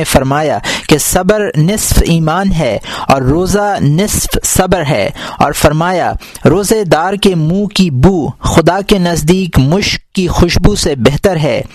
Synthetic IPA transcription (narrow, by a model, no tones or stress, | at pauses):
efɐɾmaːjakesɐbəɾnɪsfiːmaːnɦɛːɔːɾːoːzanɪsfsɐbɾɦɛ̰ːɔ̰ːɾfɐɾmaːja | ɾoːzed̪aːɾkemũːkibuːxʊd̪akenɐzd̪iːkmʊʃkːixʊʃbusebɛɦt̪əɾɦɛː